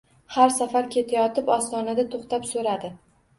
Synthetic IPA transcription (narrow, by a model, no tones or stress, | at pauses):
haɾsafaɾkʲʰe̞t̪ʰajɒt̪ɪpɒst̪ɒnad̪at̪ʰoχt̪apsoɾad̪ɪ